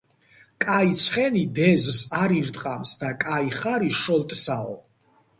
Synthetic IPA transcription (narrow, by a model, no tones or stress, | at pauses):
kʼait̪sʰχɛnid̪ɛzsaɾiɾt̪ʼqʼamsd̪akʼaiχaɾiʃɔlt̪ʼsaɔ̰